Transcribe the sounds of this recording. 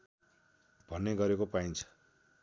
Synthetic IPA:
b̥ʱʌneɡʌɾekopaint͡sʰʌ̥

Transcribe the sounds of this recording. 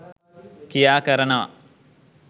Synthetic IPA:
kijaːkɐɾɐnɐʋɐ̰

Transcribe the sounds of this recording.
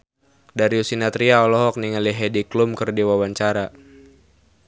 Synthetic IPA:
daɾiusinat̪ɾiaɔlɔɦɔk̚niŋaliɦɛdiklumkɨrdiwawaɲt͡ʃaɾa

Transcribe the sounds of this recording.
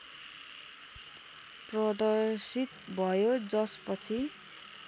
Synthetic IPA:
prʌd̪ʌrsit̪bʱʌjod͡zʌspʌt͡sʰi

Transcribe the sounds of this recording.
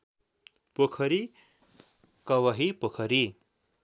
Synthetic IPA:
pokʰʌɾi | kʌwʌɦipokʰʌɾi

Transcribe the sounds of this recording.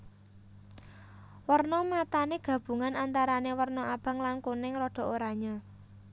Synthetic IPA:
wərnɔmat̪aneɡ̥ä̤b̥ṳŋanant̪aɾanewərnɔʔab̥ä̤ŋlankunɪŋrɔɖ̥ɔ̤ʔoɾaɲɔ

